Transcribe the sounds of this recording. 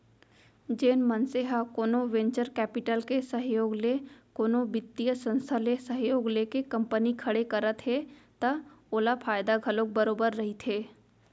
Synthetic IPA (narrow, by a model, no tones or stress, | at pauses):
d͡ʒeːnmənseɦakoːnoʋẽɲt͡ʃəɾkɛːpɪʈəlkesəɦjoːɡlekoːnobɪt̪ːijəsə̃nst̪ʰalesəɦjoːɡleːkekɐ̃mpənikʰɐɽekɐɾət̪ɦet̪ɐoːlapʰaːjd̪aɡʱɐlõk̚bɐɾoːbəɾːɐɦit̪ʰeː